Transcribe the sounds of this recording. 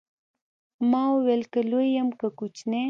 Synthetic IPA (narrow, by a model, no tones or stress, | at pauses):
mɑuwelkəlojəmkəkut͡ʃne